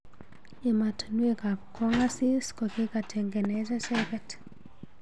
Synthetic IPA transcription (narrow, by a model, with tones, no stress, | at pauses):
e˨ma˨tnwe˦ka˨kɔ˦ŋa˦si˦skɔ˨ke˦ka˨tʰe˨ŋɡe˨nɛ˦sɛ˦sɛkɛt